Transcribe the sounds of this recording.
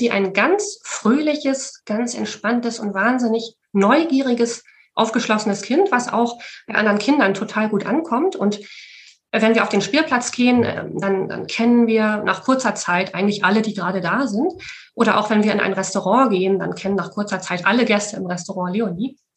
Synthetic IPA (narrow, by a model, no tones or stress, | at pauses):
z̥iːʔa̰ɪnɡant͡sfʁ̥øːlɪçəsɡ̥ant͡sɛ̰ntʃpantəsʊntv̥aːnzɪnɪç | nɔʏɡiːʁɪɡəs | ʔa̰ʊfɡ̥əʃlɔsənəskʰɪntv̥asʔa̰ʊxb̥aɪʔa̰ndəʁənkʰɪndɐntʰotʰaːlɡuːtʔankʰɔmtʰʊnt | vɛnviːɐaʊfd̥eːnʃpiːɐpl̥at͡sɡ̥eːənʔɛ̰danda̰nkʰɛnənviːɐnʔa̰ːχkʰʊɐt͡sɐt͡saɪtʔa̰ɪɡŋ̩tlɪçʔalədiːɡəʁaːɾədaːzɪntʔoːɾɐʔa̰ʊxv̥ɛnviːɐʔɪnʔa̰ɪnʁɛstoʁɑ̃ːɡeːənda̰nkʰɛnənːaːχkʰʊɐt͡sɐt͡saɪtʔaləɡɛstəɪmʁɛstoʁɑ̃ːleːoniː